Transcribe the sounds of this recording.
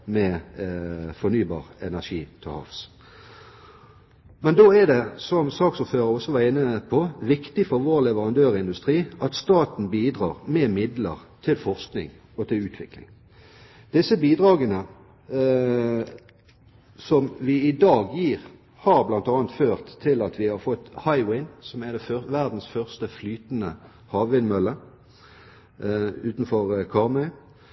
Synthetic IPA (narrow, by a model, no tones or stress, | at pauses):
mɛ | fɔnyːbɑ̰ːʁɛ̰næʂiːt̪ʰɪhɑ̰fs | mɛnd̪oːæd̪ɛsɔmsɑːksʊːføːʁəɾɔsːɔʋɑʁɪnəpʰɔʋɪkt̪ɪfɔʁʋoːʁlɛʋəʁɑnd̪øːʁɪnd̪ʉst̪ʁiːʔɑt̪st̪ɑːt̪n̩biːd̪ʁɑ̰ːʁmɛmɪd̪lə̰ʁt̪ʰɪlfɔʁsknɪ̰ŋ | ɔt̪ʰɪlʉːt̪ʰʋɪklɪ̰ŋ | d̪̥ɪsəbiːd̪ʁɑːɡənə | sɔmʋɪɪd̪ɑːɡjiːʁ | hɑʁblɑnt̪ɑːənt̪føːʁt̪ʰːɪlɑt̪ʰʋɪhɑʁfɔt̪ːhɑɪwɪnsɔmæʁd̪ɛfœʋæʁd̪n̩sfœʁst̪əflyːt̪nə | hɑːʋʋɪnmœlːə | ʉːt̪n̩fɔʁkʰɑːʁmœʏ